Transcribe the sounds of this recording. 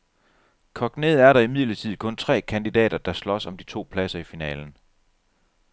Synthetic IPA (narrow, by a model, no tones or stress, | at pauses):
kʰɒ̽ɡ̥ne̝ð̩ˠæɐɾɑ̈imið̰ˠlɐt͡sʰið̞̰̩ˠkʰɔ̽nt͡sʰʁɛ̰ːkʰænd̥id̥ɛ̰ːd̥ɐd̥ɑ̈slɒ̽sɒ̽md̥it͡sʰo̝̰ːpʰlæsɐifinɛ̰ːln̩